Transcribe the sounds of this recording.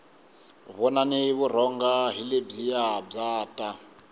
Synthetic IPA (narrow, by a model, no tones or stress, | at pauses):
βɔnaniβur̤ɔŋɡaɦileb͡ʐijab͡ʐaːtʼa